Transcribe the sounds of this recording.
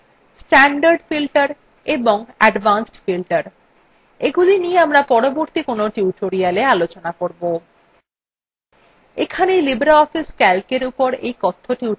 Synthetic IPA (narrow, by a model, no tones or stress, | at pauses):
sʈaɳɖaɾɖfilʈaɾ | eboŋɛɖbansʈfilʈaɾ | eɡulinieamɾapɔɾoboɾt̪ikonoʈiuʈoɾialealot͡ɕonakoɾbo | ekʰanejlibɾaɔfiskɛlkeɾupoɾḛjkɔt̪ʰːoʈu